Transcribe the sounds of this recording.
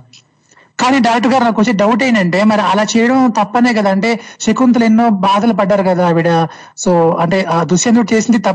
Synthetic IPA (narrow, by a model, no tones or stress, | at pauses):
kaːniːɖaːkʈɐɡaːɾnɐkʋɐt͡ʃːiɖɐwʈ̬ɐjind̪ɐɳʈe̞ːmɐɾiɐlaːt͡ʃɛːjɐɽɐmt̪ɐpːɐneːkɐd̪aːɐɳʈe̞ːʃekunt̪ulenːo̞ːbaːd̪ɐlɐpɐɖːaːɾukɐd̪aːɐʋiɽɐ | soːɐɳʈe̞ːd̪usjɐnd̪uʈt͡ʃe̞ːsind̪it̪ɐ